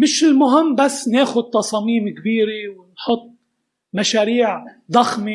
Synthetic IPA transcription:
mɪʃɪlmʊɦɪmːbasːneːxʊd̪̚t̪ɑsˤɑːmiːmkbiːɾɪwɪnħʊt̪̚ˤː | maʃaːɾiːʕd̪ˤɑxmi

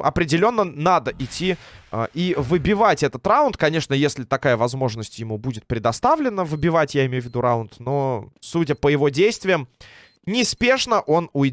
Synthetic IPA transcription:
ʔɐ̰pɾʲɪdʲɪlʲo̞nːənad̪əʔɪtʲʰːiə̰ʔivɨbʲɪvatʲɛt̪ət̪raʊnt̪kɐnʲe̞ʂnəjesʲlʲɪt̪ɐkajəvɐzmo̞ʐnəsʲtʲjɪmubudʲɪt̪̚pɾʲɪd̪ɐst̪avlʲɪnːəvɨbʲɪvatʲjaɪmʲejʊvʲɪd̪uɾaʊnt̪no̞sutʲəpəjɪvo̞dʲejst̪vʲɪjəm | nʲɪspʲe̞ʂnəʔo̞nʊɪ

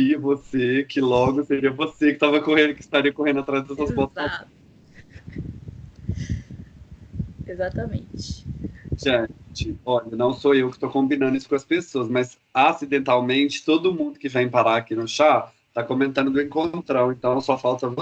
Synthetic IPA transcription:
iɐvosekɪlɔɡʊseɾiɐvosekɪt̪avɐkohẽnd̪ʊkɪ̥st̪aɾiɐkohẽnd̪ʊat̪ɾazd̪ɛsɐsbɔt̪a | ezat̪ɐmẽt͡ʃɪ̥ʒẽt͡ʃɪɔʎɐnɐ̃w̃soewkɪ̥st̪okõmbĩnɐ̃nd̪ʊisʊ̥kõɐspesoɐsmɐz | asid̪ẽnt̪awmẽnt͡ʃɪ̥t̪od̪ʊmũd̪ʊkɪvẽj̃paɾaakinʊʃa | t̪akomẽnt̪ɐ̃nd̪ʊd̪ʊẽŋkõt̪ɾɐ̃w̃ẽnt̪ɐ̃w̃sɔfawt̪ɐv

